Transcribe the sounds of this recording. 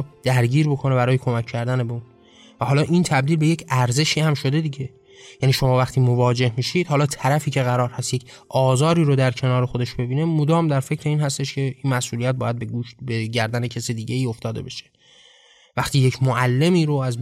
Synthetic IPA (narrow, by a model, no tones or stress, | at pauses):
d̪̥æɾɟiːɾbo̞kʰo̞ne̞bæɾɒːjekʰo̞mækʰːæɾd̪ænebeuːn | væhɒːlɒːʔint̪ʰæb̚d̪iːlbe̞je̞cʰæɾze̞ʃiːhæmʃo̞d̪e̞d̪iɟe̞ | jæniːʃo̞mɒːvæxt̪ʰiːmovɒːd͡ʒe̞hmiːʃid̪̥hɒːlɒːt̪ʰæɾæfiːcʰe̞ɣæɾɒːɾhæst̪jec | ʔɒːzɒːɾiːɾod̪æɾcʰe̞nɒːɾexo̞d̪e̞ʃbe̞biːne̞mod̪ɒːmd̪æɾfe̞cʰɾe̞iːnhæst̪e̞ʃcʲʰe̞iːnmæsʔuːlijæt̪̚bɒːjæd̪̚beɡuʃbeɟæɾd̪ænecʰesid̪iːɟe̞iːo̞ft̪ɒːd̪e̞beʃe̥ | væχt̪iːjecʰmoʔælːe̞miːɾoæz